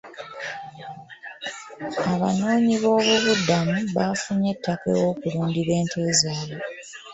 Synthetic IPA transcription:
aβano̞ːɲiβo̞ːβuβudamuβafuɲe̞tːakḛwo̞ːkuluːndiβe̞ːntʰeːzaːβo

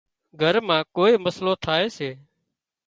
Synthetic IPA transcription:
ɡʱəɾmãːkoːiːməsloːt̪ʰaːeːseː

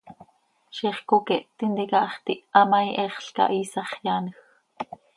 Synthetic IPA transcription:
ʃiχkokɛʔt̪ind̪ikɑʔχt̪iʔʔɑmɑjʔɛχɬkɑ̰ʔiːsɑχjanx

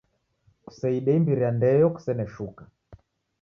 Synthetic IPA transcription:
ku̥sɛiɗɛimbiɾiandɛjɔku̥sɛnɛʃuka

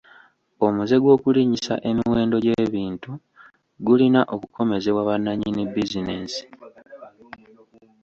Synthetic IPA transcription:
o̞muze̞ɡwo̞ːkuliɲisa̰ʔe̞miwe̞ːndo̞ɟeβiːntu | ɡulinaʔo̞kukʰo̞me̞ze̞waβanːaɲinibizine̞ːsi̥

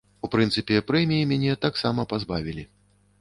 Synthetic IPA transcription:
upɾɨnsɨpʲɛpɾɛmʲijimʲanʲɛt̪aksamɐpazbavʲilʲi

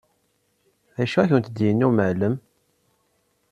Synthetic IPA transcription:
ðæʃæçənt̪d̪jənːuməʕləm

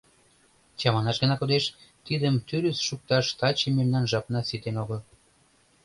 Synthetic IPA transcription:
t͡ɕɑmɑnɑʃɡə̆nɑkod̪eʃt̪id̪əmt̪yɾysʃuk̚t̪ɑʃt̪ɑt͡ɕememnɑnʒɑpnɑsit̪enoɣəl

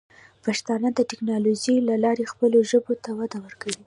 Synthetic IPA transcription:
paʃt̪ɑnad̪əʈɪknɑlod͡ʒilalɑɾexpəloʒəbot̪awad̪awəɾkawi

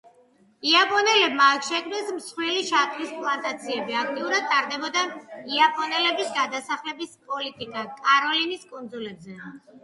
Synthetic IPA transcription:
iapʼɔnɛlɛbmaːkʃɛkʰmnɛsmsχwiliʃat̪ʼvispʼlˠant̪ʼat̪sʰiɛbiak̚ʰt̪ʼiuɾad̪̚t̪ʼaɾd̪ɛbɔd̪aiapʼɔnɛlɛbisɡad̪asaχlɛbispʼɔlit̪ʼikʼakʼaɾɔliniskʼɔnd̪zulɛbzɛ

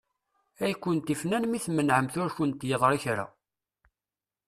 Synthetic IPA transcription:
æjkʷːənt̪ifnænmiθmənʕəmθʊɾçʊnt̪jəðˤɾˤiçɾa̰

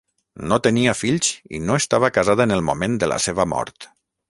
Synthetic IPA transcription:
not̪əniafiʎsḭnoest̪aβ̞əkazaðaənəlˠmumend̪əla̰seβəmɔ̰ɾt̪

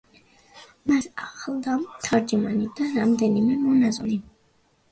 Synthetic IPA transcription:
masaχlˠd̪amt̪ʰaɾd͡ʒumanid̪aɾamd̪ɛnimɛmɔnazɔni

